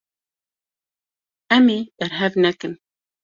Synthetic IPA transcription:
ɛmib̥ɛɾɦɛvnɛkɨn

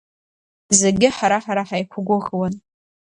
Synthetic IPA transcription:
zeɡʲɪħaɾaħaɾaħajkʷʰʊɡʷʊʁwan

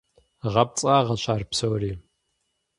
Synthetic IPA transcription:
ʁɐp̚t͡sʼaːʁɐɕʷʰaːrpsowriː

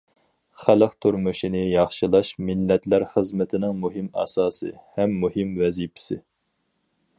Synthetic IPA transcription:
χælˠəqt̪ʰuɾmuʃinɪjɑχʃɨlˠɑʃmɪlːɛt̪ʰlæɾχəzmɪt̪ʰɪnɪŋmuɦɨmɑ̰sɑːsɨ̰hɛmːuɦɨmvɛzipʰɪ̥sɪ̰

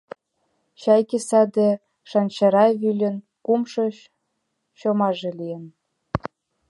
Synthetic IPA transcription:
ɕɑjkesɑd̪e | ʃɑnt͡ɕɑɾɑβylʲə̆n | kumʃɤ̆ɕ | ɕomɑʒĕlʲijə̆n

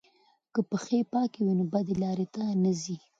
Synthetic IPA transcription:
kəpəxepɑkewinobad̪elɑɾet̪anazi

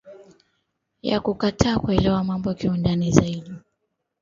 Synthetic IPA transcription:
ja̰kukatʰaːkuɛlɛwamambɔakiundanizaiɗi

